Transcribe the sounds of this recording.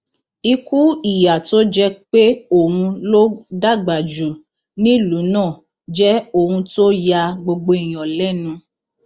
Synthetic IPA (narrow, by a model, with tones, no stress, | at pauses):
i˧ku˦i˦˨ja˨to˦d͡ʒɛ˦k͡pe˦o˦˨ũ˧lo˦da˦˨ɡ͡ba˨d͡ʒu˨ | nĩ˦lu˨˦nãː˦˨ | d͡ʒɛ˦o˦˨hũ˧to˦ja˧ɡ͡bo˧ɡ͡bo˧i˨j̃ɔ̃˨lɛ˦nũ˧